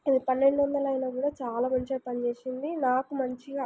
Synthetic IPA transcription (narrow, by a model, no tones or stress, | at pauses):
d̪ipɐnːe̞ɳɖuʋɐnd̪ɐlɐjnaːkuːɽaːt͡ʃaːlaːmɐɲt͡ʃɐjpɐnit͡ʃeːsind̪inaːkumɐɲt͡ʃiɡaː